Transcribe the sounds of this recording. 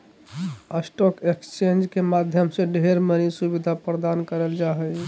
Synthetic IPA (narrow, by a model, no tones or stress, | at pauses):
əsʈɔkekst͡ʃẽnd͡ʒkemad̪ʱjəmsẽɖʱeɾmənisubid̪ʱapɾəd̪ankəɾəld͡ʒaɦəj